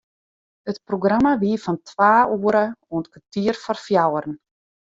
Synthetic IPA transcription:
hət̚proɡramaʋiəfɔntʰwaːuːəɾəuəntkʰatiərfɔrfjawərən̩

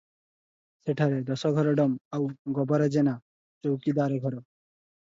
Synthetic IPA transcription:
seʈʰaɾed̪ɔsɔɡʱɔɾɔɖɔmawɡɔbɔɾɔd͡ʑena | t͡ʃowkid̪aɾɡʱɔɾɔ

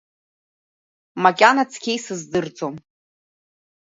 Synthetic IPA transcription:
makʲʼanat͡sʰkʲʰejsɨzdɨrt͡sʼom

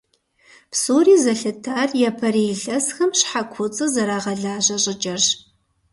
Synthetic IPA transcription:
psuːriːzɐɬɨtʰaːrjɛpʰɐɾiɮɐsxɐmɕħakʷʰʊt͡sʼɨzɐɾaːʁɐɮaːʑɐɕʼɪt͡ʃʼɐrɕ

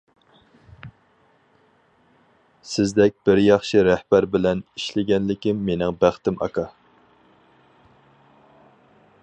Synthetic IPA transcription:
sɪzd̪ɛk̚ʲb̥ɪɾjɑχʃiɾɛhbæɾbɪlɛniʃlɪɡʲɛnlɪkʲɪmːenɪŋbæχt̪ɪmʔɑ̰kʰɑ

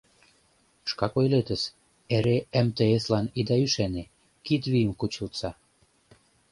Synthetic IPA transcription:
ʃkɑkojlet̪əs | eɾeemt̪eeslɑnid̪ɑyʃene | kit̪βijəmkut͡ɕəlt͡sɑ

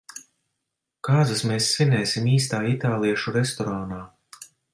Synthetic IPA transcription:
kaːzɨsmeːsːinɛːsʲimiːst̪aːit̪aːlˠiɛʃuɾɛst̪ɔɾaːnaː

